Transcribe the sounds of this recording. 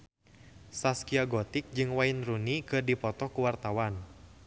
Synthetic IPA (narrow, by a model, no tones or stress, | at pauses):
saskiaɡɔt̪ik̚d͡ʒɨŋwainrunikɨrdipɔt̪ɔkuwart̪awan